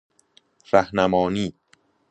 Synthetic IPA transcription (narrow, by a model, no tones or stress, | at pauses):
ræhnæmɒːniː